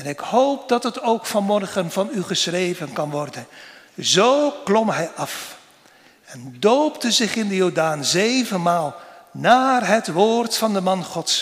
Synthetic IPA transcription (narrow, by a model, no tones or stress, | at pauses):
ɛnɪkhowp̚dɑtətowkfɑnmɔrχənvɑnyχəsχrejvənkɑnʋɔrdən | zowklɔmɦɛjʔɑf | ɛndowptəzɪχɪndəjoːdaːnzejvənmaːlˠnaːrɦətʋoːrtfɑndəmɑnχɔts